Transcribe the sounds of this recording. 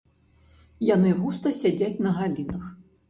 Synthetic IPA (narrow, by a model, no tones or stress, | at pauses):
janɨɣust̪ɐsʲad͡zʲat͡sʲnɐɣalʲinɐx